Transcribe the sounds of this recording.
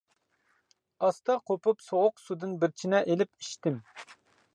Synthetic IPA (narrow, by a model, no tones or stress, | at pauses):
ɑst̪ɑqʰopupsoʁʊqsud̪ɨnbɪɾt͡ʃʰinɛʔelɪpiʃt̪ɪm